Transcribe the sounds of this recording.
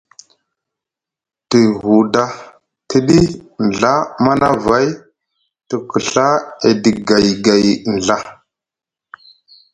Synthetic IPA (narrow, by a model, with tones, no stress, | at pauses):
ti˨ɦu˨da˦ | ti˦ɗi˦n˨ɮa˦ma˦na˦va˦j | tə˨kə˨ɬa˦e˨di˨ɡa˨jɡa˨jn˨ɮa˦